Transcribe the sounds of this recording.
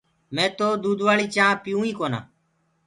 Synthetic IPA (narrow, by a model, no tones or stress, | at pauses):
mɛ̃ːt̪oːd̪uːd̪ʱʋaːɭiːt͡ʃãːpɪjũːiːkoːnã̰ː